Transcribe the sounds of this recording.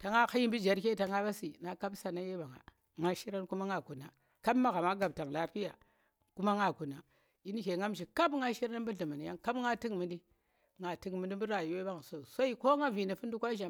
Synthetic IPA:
ta˨ŋa˦ka˦ji˦bi˦d͡ʒa˨ɾke˦˨˦ta˨ŋa˦ba˦si˨na˨˦ka˦bsa˨na˦je˦ba˨ŋa̰˨ | ŋa˦ʃi˦ɾa˦n˦ku˦ma˦ŋa˨ku˨na˨ | ka˦bma˦ɣa˨ma˦ɡa˨b̚ta˨ŋla˨pi˦ja˨ | ku˦ma˦ŋa˨ku˨na˨ | i˦n˦ke˨ŋa˦mʃi˨ka˦bŋa˦ʃi˦ɾa˦n˦bu˦ɮi˨ma˨ni˨ja˦ŋka˦bŋa˦ti˦ŋmi˨ndi˦ | ŋa˨ti˦kmi˨ndi˦m˦bu˦ɾa˨ju˨we˦ba˦ŋ˨so˨so˦i˦ko˦ŋa˦vi˨ni˨fu˦ndu˦kʷa˦ʒa˨

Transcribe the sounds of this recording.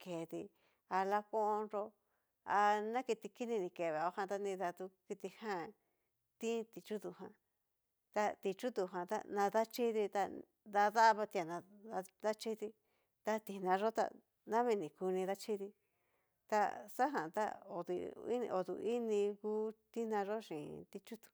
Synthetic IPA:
ke˨ði˧ | a˧la˧kõ˦ʔõ˧nɾo˧ | a˧nã˦ki˧t̪i˧ki˦nĩ˧nĩ˧ke˨βe˨o˧˦hã˧t̪a˧nĩ˧ða˧t̪u˧ki˧t̪i˧hã˦˧ | t̪ĩ˦t̪i˨t͡ʃu˦ðu˧˨ɦã̰˧ | t̪a˧t̪i˧t͡ʃu˦t̪u˧˨ɦã˨t̪a̰˦˧nã˧ða˦t͡ʃi˦ði˧t̪a˧ | d̪a˧ða˦˧βa˧t̪i˧a˨nã˧a˧ða˦t͡ʃi˦ði˧ | t̪a˧t̪i˧nã˧ʐo˦t̪a̰˧ | nã˦βĩ˧nĩ˨ku˧nĩ˧ða˦t͡ʃi˦ði˧ | t̪a̰˧sa˦ɦã˨t̪a̰˦o̰˨ðḭ˧ḭ̃˦˧o˨t̪ṵ˧i˦nĩ˧ku˦t̪i˦nã˧ʐo˦ʂĩ˨t̪i˧t͡ʃu˦t̪u̥˨˧

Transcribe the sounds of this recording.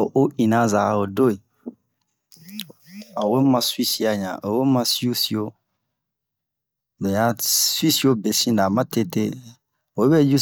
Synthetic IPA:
o˨ʔo˦ĩ˨na˦za˨˦o˨do˦i˨ | a˨we˦mã˨swi˦si˨a˨ɲã̰˨ʔo˨we˦mã˦si˦u˦si˨o˦ | bɛ˨ja˦swi˦si˦o˦be˨sĩ˦nda˨mã˦te˦te˦ | o˨˦bɛ˦d͡ʒu˦

